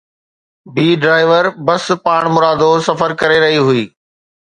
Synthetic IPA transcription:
biːɖɾaːɪʋəɾbɐspaːɽ̃mʊɾaːd̪osɐfəɾkɐɾeɾɐɦiɦʊiː

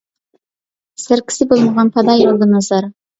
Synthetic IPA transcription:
sæɾkʲʰɪ̥sɪbolˠmɑʁɑnpʰɑd̪ɑjolˠd̪ənɑzɑɾ

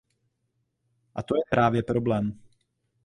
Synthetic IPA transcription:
ʔat̪ojɛpɾʔaːvjɛpɾoblɛːm

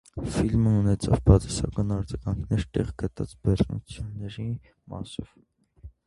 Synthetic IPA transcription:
filməunɛt͡sʰɑvbɑt͡sʰɛsɑ̰kɑnɑɾd͡zɑɡɑŋkʰnɛɾt̪ɛʁɡət̪ɑt͡sbɛrnṵt͡sʰjunːɛɾi | mɑ̰sɔv̥

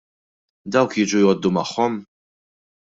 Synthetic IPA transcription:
d̪ɐwkjiːd͡ʒujɔːd̪ːumɐħːɔm

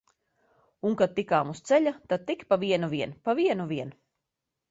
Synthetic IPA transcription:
uŋkad̪̚t̪ikaːmust̪sɛʎʲat̪ad̪̚t̪ikpaviɛnuviɛnpaviɛnuviɛn

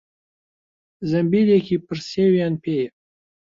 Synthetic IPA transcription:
zɐmbilekʰʲipʰɨrsewjanpʰej

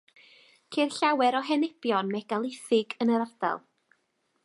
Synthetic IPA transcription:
kʰerɬawɛɾɔɦɛnɛb̥jɔnmɛɡ̥alˠɪθɪɡənəɾarda̰lˠ

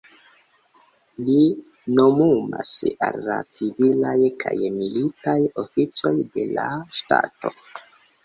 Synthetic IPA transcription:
li | nomumasalːat͡sivilajkʰajmilitajo̞fit͡so̞jde̞laʃta̰to̞

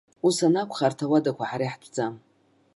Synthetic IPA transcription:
usanakʷʰχartʰawadakʷʰaħaɾaħdʰʼd͡zam

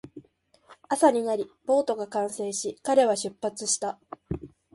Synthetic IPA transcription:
asaɲ̟inaɾʲib̥o̞ːt̪o̞ɡakãɰ̃sẽ̞ːɕikaɾe̞β̞aɕɨpːat͡sɨɕi̥t̪a

